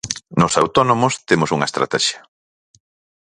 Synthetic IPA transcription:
nʊsawt̪ɔnomʊst̪emosuŋɐest̪ɾa̰t̪ɛʃjɐ̥

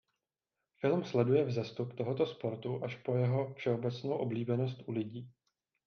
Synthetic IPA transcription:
fɪlmslɛdujɛvzɛst̪upt̪o̞ɦo̞t̪o̞spo̞ɾt̪uʔaʃpo̞jɛɦo̞fʃɛo̞bɛt͡snowʔo̞bliːbɛnost̪ʔulɪɟiː

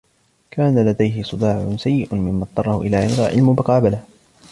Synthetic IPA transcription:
kaːnalad̪ajɦɪsˤɨd̪ɑːʕʊsajːɪʔʊmɪmːɑt̪ˤːɑrˤːɑhʊʔɪlaːʕɪnɾˤa̰ːʕɪ̰lmʊmʊqɑːbalah

